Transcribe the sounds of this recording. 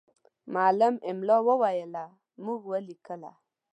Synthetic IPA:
maləmɪmlowəwajəla | muɡwəlikəla̰

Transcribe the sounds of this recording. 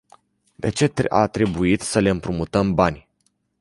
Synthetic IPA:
d̪e̞t͡ʃe̞a̰t̪ɾe̞buit̪səle̞ɨmpɾumut̪əmbanʲ

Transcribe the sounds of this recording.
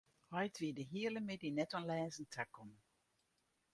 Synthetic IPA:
hɔjtʋiːdəɦiːələmɪdinɛtɔnlɛːzən̩tʰakːɔm

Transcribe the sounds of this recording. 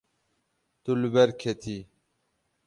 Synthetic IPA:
t̪ulbeɾkʰet̪ʰi

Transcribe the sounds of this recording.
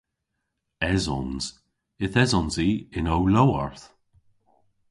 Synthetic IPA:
ɛzɔ̰nz̥ | ɪθɛzɔnziɪnowlowəɹθ

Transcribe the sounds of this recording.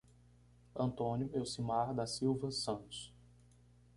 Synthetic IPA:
ɐ̃nt̪õnjʊewsimaɾd̪ɐsiwvɐsɐ̃nt̪ʊ̥s

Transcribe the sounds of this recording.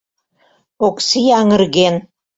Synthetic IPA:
oksijɑŋə̆rɣen

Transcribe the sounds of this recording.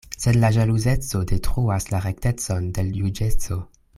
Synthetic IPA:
se̞dlaʒaluze̞t͡so̞de̞tɾuaslaɾe̞kte̞t͡so̞nde̞ljud͡ʒe̞t͡so̞

